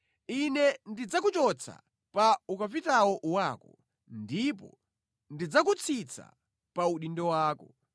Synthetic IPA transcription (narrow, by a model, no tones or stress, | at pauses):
inɛndid͡zakut͡ʃɔt͡sʰa̰ | paukapitawɔʔwaːkɔ | ndipɔ̰ | ndid͡zak̬ut͡sʰit͡sʰa̰ | pauɗindɔwaːkɔ